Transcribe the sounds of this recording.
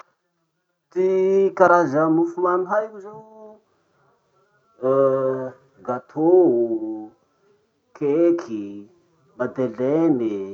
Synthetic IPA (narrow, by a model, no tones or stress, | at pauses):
t̪ikaɾazamufumaniɦaikʲuze | ɡat̪ʰou | kʰekʰi | mad̪eleni